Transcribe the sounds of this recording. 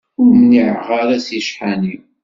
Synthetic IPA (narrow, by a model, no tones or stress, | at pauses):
ʊɾməniʕʁaɾæsjəʃħani